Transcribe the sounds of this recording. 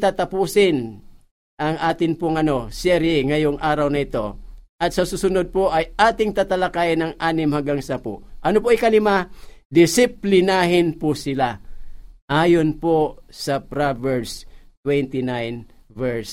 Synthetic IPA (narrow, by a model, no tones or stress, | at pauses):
t̪at̪ɐpuːsɪn | ʔɐŋʔaːt̪ɪnpʊŋɐno̞sɛɾjɛŋɐjoŋʔaːɾɐwnɐɪt̪o̞ʔɐt̪̚sɐsusʊnod̪̚poʔɐjʔaːt̪ɪŋt̪at̪ɐlɐkaːjnɐŋʔaːnɪmhaŋɡaŋsɐpo̰ʔɐnopoʔɪkɐlɪmad̪ɪsɪplɪnaɦɪnpʊsɪla | ʔaːjonposɐpɾavɛɹst̪wɛnt̪ɪnajnvɛɹs